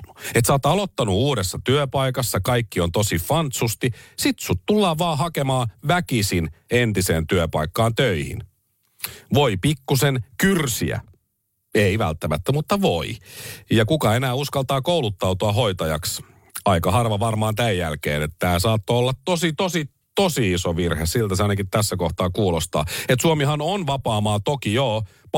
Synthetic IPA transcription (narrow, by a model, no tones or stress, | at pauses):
et̪sɑːt̪ɑlo̞t̪ːɑnuuːɾesːɑt̪yøpɑikɑsːɑkɑikːiont̪osifɑnt̪sust̪isit̪sut̪t̪ulːɑːʋɑːɦɑkemɑːʋækisinent̪iseːnt̪yøpɑikːɑːnt̪øihḭn | ʋo̞ipikːusenkyrsḭæ̰ | eiʋæ̰lt̪ːæmæt̪ːæmut̪ːɑʋoijɑkukɑenæːuskɑlt̪ɑːkoulut̪ːɑut̪uɑɦo̞it̪ɑjɑks | ɑikɑɦɑrʋɑʋɑrmɑːnt̪æjjːælkḛːnet̪ːæsɑːt̪ːoolːɑt̪t̪osit̪osi | t̪osiisoʋirhessilt̪æseɑinɑkit̪t̪æsːækoht̪ɑːkuːlost̪ɑ̰ːet̪suomiɦɑnonʋɑpɑːmɑːt̪okijoː | p